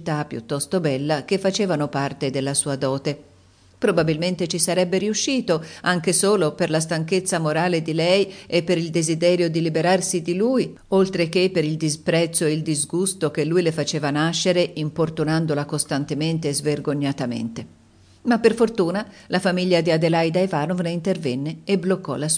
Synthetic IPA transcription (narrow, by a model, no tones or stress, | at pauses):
t̪apːjṵt̪ːɔst̪obɛlːak̟efːat͡ʃeːvanopart̪ed̪elːasuːad̪ɔːt̪e | pɾobabilment̪et͡ʃisaɾɛbːeɾiuʃːiːt̪oaŋk̟esoːloperlas̬t̪aŋket̪sːamoɾaːled̪ilɛjepːeɾild̪ezid̪ɛːɾjod̪ilibeɾarsid̪iluːj | olt̪ɾek̟epːeɾild̪ispɾɛt̪sːoeild̪izɡust̪okelːujlefat͡ʃeːvanaʃːeɾeimport̪unand̪olakost̪ant̪ement̪eːzverɡoɲːat̪amḛnt̪e | mapːerfort̪uːnalafamiʎːad̪iad̪elajd̪aevaːnovneint̪ervɛnːeeblokːɔ̰las